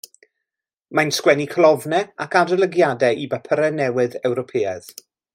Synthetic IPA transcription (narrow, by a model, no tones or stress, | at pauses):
majnskwɛnikʰəlˠɔvnɛakadəlˠəɡjadɛibəpʰəɾɛnɛwɨðɛwɾɔpʰeːað̥